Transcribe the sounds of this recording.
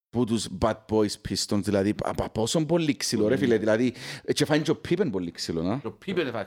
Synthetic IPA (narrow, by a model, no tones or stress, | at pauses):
b̥ud̪usbad̪̚bɔjspʰist̪ɔnsd̪ilaðia̰papɔsɔmbɔlːiksilɔɾɛfiled̪ilaðit͡ʃɛfajnd͡ʒopʰibɛnbɔlːiksilonaopʰibɛnfa